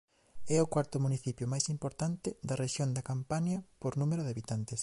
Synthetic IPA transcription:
ɛʊkwaɾt̪ʊmuniθipjʊmajsimpoɾt̪ant̪ɪðɐreʃjond̪ɐkampaɲɐpoɾnũmeɾʊðeaβit̪ant̪es

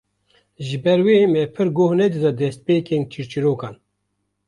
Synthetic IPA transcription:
ʒɨbɛɾweːmɛpʰɨɾɡoːhnɛd̪ɨd̪ɑd̪ɛst̪̚peːkent͡ʃʰiɾt͡ʃiɾoːkɑːn

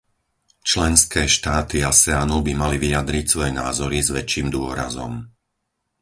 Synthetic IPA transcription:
t͡ʃlɛnskɛːʃt̪aːt̪iasɛaːnubimaliʋiad̪ɾicsʋɔjɛnaːzɔɾizʋɛt͡ʃːiːmd̪ʊɔɾa̰zɔ̰m

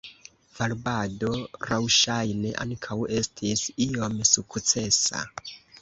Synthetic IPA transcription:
v̥aɾbado̞ɾawʃajne̞ʔaŋkʰawe̞stʰisio̞msukt͡se̞sa̰

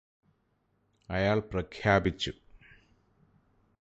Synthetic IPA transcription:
ɐjaːɭprɐkʰjaːbit͡ɕːu

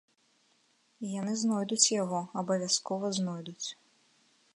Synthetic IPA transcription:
ijanɨznɔjd̪ut͡sʲjaɣɔɐbɐvʲaskɔvɐznɔjd̪ut͡sʲ

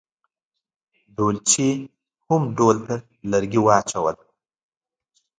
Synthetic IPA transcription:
ɖolt͡ʃi | hʊmɖolt̪a | laɾɡiwɑːt͡ʃawəl

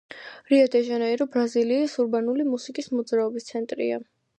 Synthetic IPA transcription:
ɾiad̪ɛʒanaiɾɔbɾaziliːsuɾbanulimusikʼismɔd̪zɾaɔbist̪sʰɛnt̪ʼɾḭa

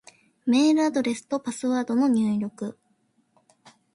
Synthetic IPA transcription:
me̞ːɾɯ̟ad̪o̞ɾe̞sɨ̥t̪o̞pasɨβaːd̪o̞no̞ɲ̟ʲɨːɾʲo̞kɯ̟

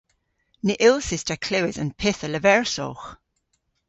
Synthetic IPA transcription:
nɪʔɪlˠsɪstəkʰlɪwɪzə̰npʰɪθələvɛɹso̰ːx

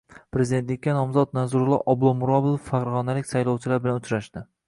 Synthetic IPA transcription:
pʰɾezid̪et̪lɪkʲːanɒmzɒt̪̚nazʊɾʊlˠɒ̰ʔɒblˠɒmʊɾɒbɪlˠofːaqɾʁɒnalɪkʲsajlˠɒwt͡ʃʰɪlaɾbɪlanʊt͡ʃɾaʃd̪ɪ

